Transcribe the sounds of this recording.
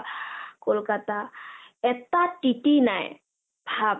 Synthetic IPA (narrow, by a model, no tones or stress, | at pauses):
kolkat̪aɛt̪aʈiʈinaj | bʱab